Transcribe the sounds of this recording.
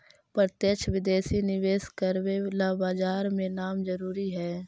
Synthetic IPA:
pɾət̪jəkt͡ʃʰʋɪd̪eːsinɪʋeːskəɾwelaːbaːd͡ʒaːɾmẽnaːmd͡ʒəɾuːɾiɦɛː

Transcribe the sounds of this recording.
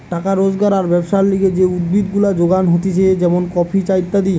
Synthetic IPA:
ʈakaɾod͡ʑɡaɾaɾbɛbʃaɾliɡed͡ʑeud̪̚bid̪ɡulad͡ʑoɡanɦot̪et͡ɕʰed͡ʑɛmonkɔpʰit͡ɕajt̪ːad̪i

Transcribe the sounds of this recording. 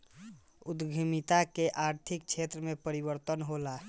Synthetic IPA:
ud̪ɡʱimit̪akeʔaɾt̪ʰik̚t͡ʃʰet̪ɾəmepəɾibəɾt̪ənɦola

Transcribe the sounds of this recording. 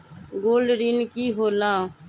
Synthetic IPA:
ɡoːlɾinkiːɦoːlãː

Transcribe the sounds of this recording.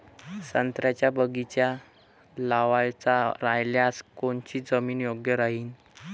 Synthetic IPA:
sənt̪ɾjat͡ɕjabəɡit͡ɕja | laʋajt͡saɾajljaskoɳt͡ɕiːd͡zəmiːnjoɡjəɾaɦiːn

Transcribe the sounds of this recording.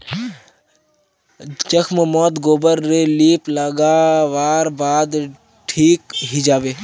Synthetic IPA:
d͡ʒəkʰməmɔːt̪ɡoːbəɾːeliːpləɡaːʋaːɾbaːd̪ | ʈʰiːkɦid͡ʒaːʋeː

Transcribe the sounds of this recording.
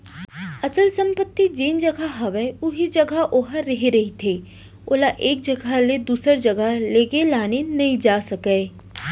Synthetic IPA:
ɐt͡ʃəlsɐ̃mpət̪ːid͡ʒeːnd͡ʒɐɡʱaɦɐʋɛʊɦid͡ʒɐɡʱaʔoɦəɾɐɦiɾɐɦit̪ʰeː | oːlaʔeːk̚d͡ʒɐɡʱaled̪uːsəɾd͡ʒɐɡʱaleːɡelaːnenɐĩd͡ʒaːsɐkɛː

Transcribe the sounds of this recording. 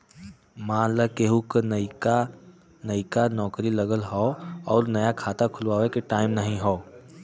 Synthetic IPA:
mãːlakeɦũkk | nɐikanɔːkɾiləɡəlɦɔɔːɾnɐjakʰaːt̪akʰʊlwaːwekeʈaːɪmnɐɦĩɦɔː

